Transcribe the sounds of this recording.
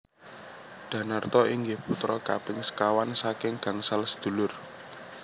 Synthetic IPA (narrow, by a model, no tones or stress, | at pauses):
ɖ̪̥ä̤nart̪ɔiŋɡɪhput̪ɾɔkapɪŋsə̥kawansakɪŋɡ̥a̤ŋsalsə̥d̪̥ṳlʊr